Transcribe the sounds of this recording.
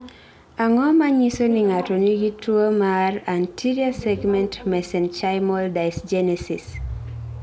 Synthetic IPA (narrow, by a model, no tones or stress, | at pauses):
aŋɔmaɲisoniŋatɔniɡituomarantʰiɾiasɛɡmɛ̃ntmɛsɛnt͡ʃajmɔldajsd͡ʒɛnɛsis